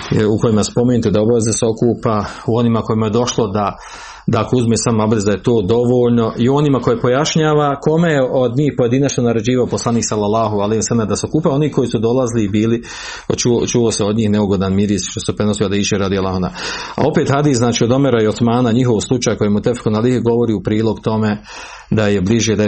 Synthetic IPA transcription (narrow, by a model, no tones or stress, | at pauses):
uko̞jimaspo̞meːnut̪ud̪abaʋe̞zeseo̞kuːpauo̞niːmako̞jimaje̞d̪o̞ʃlˠod̪a | d̪akouzmesamabd̪ezd̪ajet̪oːd̪o̞ʋoːʎno̞ʔio̞nimako̞jepo̞jaʃɲaːʋako̞mejeʔod̪ɲiːhpo̞je̞d̪inat͡ʃnonaɾe̞d͡ʑiːʋaoposlˠaniːksalːalːaːɦualehiwasalmd̪aseo̞kuːpao̞niːhko̞jisud̪o̞lazliːbiːli | t͡ʃut͡ʃuoseo̞d̪ɲiːhneuɡo̞d̪anmiɾiːst̪ʃt̪osepɾeno̞siohad̪iːʃeɾad̪ialːˠaɦuna̰a̰o̞pet̪had̪iːsznaːt͡ʃiːo̞d̪o̞meɾaiosmaːnaɲiɦo̞ʋslˠut͡ʃaːjkojemut̪efxunaliheɡo̞ʋo̞ɾiːupɾiːlˠo̞ɡt̪o̞me | d̪ajebliʒjed̪a